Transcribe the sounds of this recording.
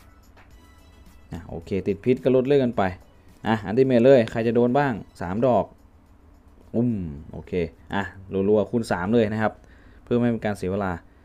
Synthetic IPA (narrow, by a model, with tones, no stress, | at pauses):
ʔa˧˩ʔo̰ː˧kʰeː˧˩t̪i˨˩t̪̚pʰi˦t̪̚ka˧˩lo˦˥t̪̚lːɤ˧˥˩jka˧npa˧j | ʔa˧˩ʔa˧nt̪iː˧˩meː˧˩t̪lɤː˧˥˩jkʰa˧˩jt͡ɕa˨˩doː˧nbaː˥˩ŋsa̰ː˨˩˦mdɔː˨˩k̚ | ʔu˧˩mʔo̰ː˧kʰeː˧˩ʔa˧˩lu˧nlu˧a˧˩kʰu˧˥˨nsaː˩˦mlɤː˧˥˩jna˦˥kʰa˦˧˥p̚ʰ | ɯ˥˩˨ma˥˩pe˧nkaː˧nsi˨˩˦ʋeː˧laː˧